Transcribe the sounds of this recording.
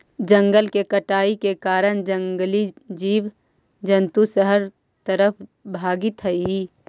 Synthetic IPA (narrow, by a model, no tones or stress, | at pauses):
d͡ʒə̃ŋɡəlkekəʈaːikekaːɾəɽ̃d͡ʒə̃ŋɡlid͡ʒiːʋ | d͡ʒənt̪usəɦəɾ | t̪əɾəpʰbʱaːɡɪt̪ɦəi